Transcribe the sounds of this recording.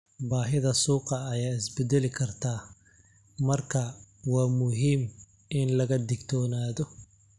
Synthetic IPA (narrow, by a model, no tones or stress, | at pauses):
baːɦɪðɐsuːqɑːjaːɪsbɛd̪ɛlɪkʰɐrt̪ʰaː | mɐrkʰɐwɑːmʊɦiːm | ʔɪnlɐɣɐd̪ɪɡt̪ʰɔːnaːðɔ